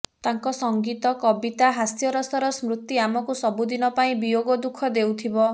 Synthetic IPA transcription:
t̪aŋkɔsɔŋɡit̪ɔkɔbit̪aɦasjɔɾɔsɔɾɔsmɾut̪ːiamɔkusɔbud̪inɔpaĩbijoɡɔd̪ukʰɔd̪ewt̪ʰibɔ

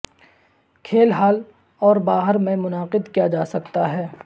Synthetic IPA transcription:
kʰeːlɦaːl | ɔːɾbaːɦəɾmẽmʊnaːqɪd̪kijad͡ʒaːsɐkt̪aɦɛː

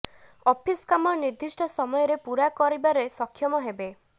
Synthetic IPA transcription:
ɔpʰiskamɔɾniɾd̪ʱisʈɔsɔmɔjɔɾepuɾakɔɾibaɾesɔkʰːjɔmɔɦebe

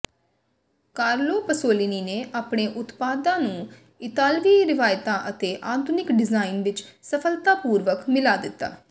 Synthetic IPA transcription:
kaːɾloːpəsoːliniːneːʔaːpɳeːʔʊt̪paːd̪ãːnũː | ɪt̪aːlʋiːɾɪʋaːjt̪ãːʔət̪eːʔaːt̪ʰʊnɪkɖɪzaːɪnʋɪt͡ʃsəpʰəlt̪aːpuːɾʋəkmɪlaːd̪ɪt̪ːa̰ː

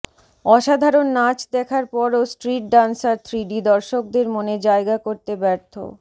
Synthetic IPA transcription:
ɔʃad̪ʱaɾonːat͡ɕd̪ɛkʰaɾpɔɾosʈɾiʈ̚ɖansaɾt̪ʰɾiɖid̪ɔɾʃok̚d̪eɾmoned͡ʑaeɡakoɾt̪ebɛɾt̪ʰo̰

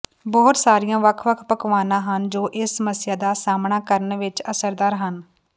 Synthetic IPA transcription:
bɔːt̪saːɾijãːʋəkʰʋəkʰpəkʋaːnãːɦənd͡ʒoːʔɪsːəməsɪjaːd̪aːsaːmɳaːkəɾənʋɪt͡ʃəsəɾd̪aːɾɦən

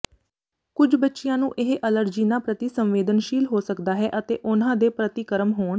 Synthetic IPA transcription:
kʊd͡ʒbətːʃɪjãːnũːʔɪɦʔələɾd͡ʒiːnaːpɾət̪iːsəmʋeːd̪ənʃiːlɦoːsəkd̪aːɦɛːʔət̪ḛːʔʊnãːd̪eːpɾət̪iːkəɾəmɦoːɳ

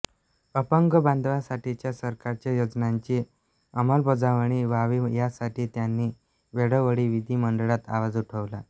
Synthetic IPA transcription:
əpəŋɡəband̪ʋasaʈʰit͡ɕjasəɾkaɾt͡ɕjajod͡znaɲt͡ɕiː | əməlbod͡zaʋɳ̃iːʋaʋiːjasaʈiːt̪janːiː | ʋeɽəʋəɽiːʋid̪ʱiːməɳɖəɭat̪a̰ʋad͡zuʈʰəʋla̰

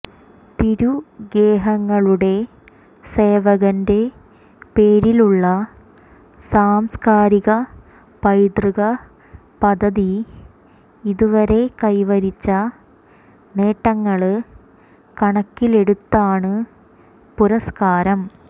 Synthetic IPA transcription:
t̪iɾuɡeːɦɐŋːɐɭuɽe̞ | se̞ːʋɐɣɐnde̞ | peːɾiluɭːɐ | saːmskaːɾiɣɐ | pɐjd̪riɣɐ | pɐd̪ʱɐði | iðuʋɐɾe̞kɐjʋɐɾit͡ɕːɐ | ne̞ːʈːɐŋːɐɭ | kɐɳɐkːile̞ɽut̪ːaːɳɨ | puɾɐskaːɾɐm

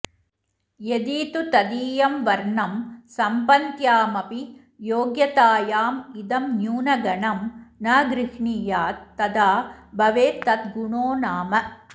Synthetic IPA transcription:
jed̪iːt̪ut̪ɐd̪iːjɐmʋɐɾɳɐmsɐmpɐnt̪jaːmɐpi | joːɡjɐt̪aːjaːmid̪ɐmnjuːnɐɡɐɳɐmnaːɡɾɪʂɳiːjaːt̪ːɐd̪aːbɐʋeːt̪ɐt̪ɡuɳoːnaːmɐ

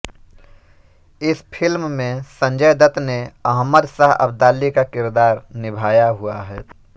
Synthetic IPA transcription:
ɪspʰɪlmmẽsə̃nd͡ʒəjd̪ət̪neɐɦməd̪saɦɐ̰bd̪aːlːikakɪɾd̪aːɾnɪbʱaːjaɦuaɦɛː

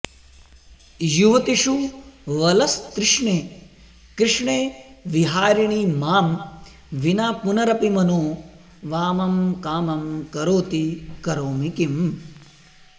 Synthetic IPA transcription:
juʋɐt̪iʂuʋɐlɐst̪ɾɪʂɳeː | kɾɪʂɳeːʋiɦaːɾiɳ̃imaːm | ʋinaːpunɐɾɐpimɐnoː | ʋaːmɐmkaːmɐmkɐɾoːt̪ikɐɾoːmikim

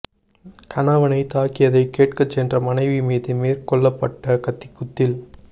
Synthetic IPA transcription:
kɐnaːʋɐnɐɪt̪aːkɪjɐðɐɪkːeːʈ̚kɐt͡ʃːɛndrɐmɐnɐɪʋimeːðɯmeːɾkɔɭːɐpːɐʈːɐkɐt̪ːɪkːʊt̪ːɪl

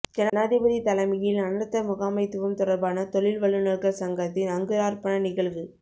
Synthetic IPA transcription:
d͡ʒɛnɐnaːðɪbɐðit̪ɐlɐmɐjɪlɐnɐɾt̪ːɐmʊɣaːmɐɪt̪ːɯʋɐmt̪ʊɽɐɾbaːnɐt̪ɔɭɪlʋɐɭːɯnɐɭkɐɭsɐŋɡɐt̪ːɪnɐŋɡɯɾaːɾpɐnɐnɪɣɐɭʋɯ

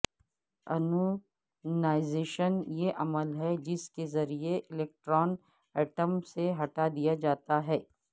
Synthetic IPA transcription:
ɐ̰no | naːɪzeːʃənjeʔɐməlɦɛd͡ʒɪskezɐɾieʔɪleːk̚ʈɾɔːn | ɛːʈəmseɦɐʈad̪ijad͡ʒaːt̪aɦɛː

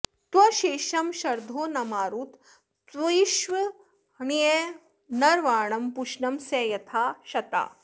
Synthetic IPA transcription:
t̪ʋɐʃeːʃɐmʃɐɾd̪ʱoːnɐmaːɾuːt̪ | t̪ʋɐjiʃʋɐ | ɳie | nɐɾʋaːɳɐmpuʃnɐmseːjɐt̪ʰaːʃɐt̪a̰ː

